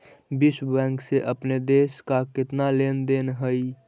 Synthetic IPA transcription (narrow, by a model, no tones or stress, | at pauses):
bɪsbɛ̃ːŋkseʔəpned̪eːskakɪt̪naleːnd̪eːnɦəi